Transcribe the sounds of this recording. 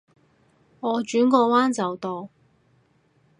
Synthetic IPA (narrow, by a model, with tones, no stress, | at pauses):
ŋɔː˨˧t͡ʃyː˨˥nkɔː˧waː˥nt͡sɐ˨wt̪ɔː˨˧w